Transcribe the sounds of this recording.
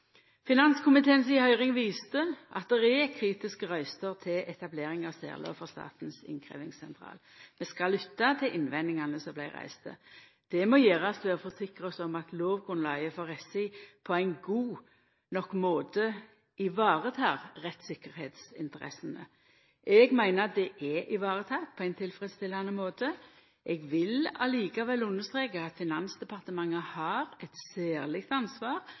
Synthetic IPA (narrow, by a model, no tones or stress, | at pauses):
fɪnɑnskʰʊmɪt̪ʰeːnsɪhœʏʁɪŋʋiːst̪əʔɑ̰t̪̚d̪ɛʁɛɛkʰʁiːt̪ɪskəʁœʏst̪əʁt̪ʰɪlʔɛt̪ɑbleːʁɪŋɑsɛ̰ːʁlo̰ːʋfɔʁst̪ɑ̰ːt̪n̩sɪ̰ŋkʰʁḛːʋɪŋsɛnt̪ʰʁɑ̰ːlmɛskɑlːʏt̪ːɑt̪ʰɪlʔɪnʋɛnːɪŋɑnəsɔmblæɪʁæ̰ɪst̪ə̰ | d̪̥ɛmɔjeːʁɑsʋeːfɔsɪkʁəɔsɔmɑt̪loːʋɡʁʉnlɑɪəfoːʁɛsɪpʰɔæɪnɡuː | nɔkːmoːt̪ə | ʔɪʋɑːʁət̪ʰɑːʁʁɛt̪sɪkːəʁɾheːt̪sɪ̰nt̪əɾɛ̰sənə̰ | ʔɛɡmæɪnəɑt̪̚d̪ɛʔɛʔɪʋɑːʁət̪ʰɑːk̚pʰɔæɪnt̪ʰɪlfɾɛd̪st̪ɛlːɑnəmoːt̪ə | ʔɛɡʋɪlɑliːkɑʋɛlːʉnːəst̪ʁeːkəɑt̪fɪnɑnsd̪ɛpʰɑʁt̪əmɑŋːəhɑːɾɛt̪sæːʁlɪk̚t̪ɑnsʋɑːʁ